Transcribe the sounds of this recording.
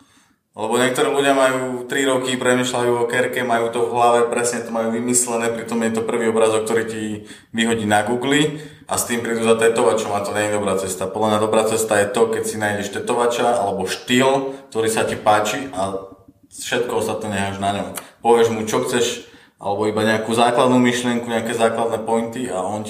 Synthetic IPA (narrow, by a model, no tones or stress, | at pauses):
lɛbɔɲɛk̚t̪ɔɾiːluɟɪamajuːt̪ɾiɾɔkipɾɛmiːʃlajuːɔkɛɾkɛmajuːt̪ɔvɦlaʋɛpɾɛsɲɛt̪ɔmajuːʋimislɛnɛːpɾit̪ɔmjɛt̪ɔpr̩ʋiːɔbɾazɔkt̪ɔɾiːci | ʋiɦɔɟiːnaɡuːɡli | ʔa̰st̪iːmpɾiːd̪uzat̪ɛt̪ɔʋat͡ʃɔmat̪ɔɲɛɲid̪ɔbɾaːt͡sɛst̪apɔd̪lamɲad̪ɔbɾaːt͡sɛst̪ajɛt̪ɔkɛcsinaːjɟɛʃt̪ɛt̪ɔʋat͡ʃaa̰lɛbɔʃt̪iːlk̚t̪ɔɾiːsacipaːt͡ʃiʔa | fʃɛt̪̚kɔɔst̪at̪nɛːɲɛɦaːʒnaɲɔmpɔʋɪɛʒmut͡ʃɔxt͡sɛʃ | ʔa̰lɛbɔibaɲɛakuːzaːklad̪nuːmiʃlɪɛŋkuɲɛakɛːzaːklad̪nɛpɔjnt̪ia̰ɔn